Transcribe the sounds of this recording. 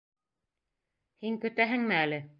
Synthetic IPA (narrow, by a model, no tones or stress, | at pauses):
hiŋkɵ̆t̪æɦɘŋmɘælɘ